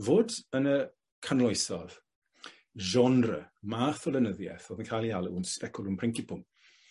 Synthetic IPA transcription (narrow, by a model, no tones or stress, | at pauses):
voːdənə | kʰanlˠɔjsɔð̥ | ʒɔnrə̰maːθɔlˠənəðjɛ̰θoːðənkʰajlˠjalˠəunspɛkʰʊlˠunpʰrɪŋkɪpʰʊm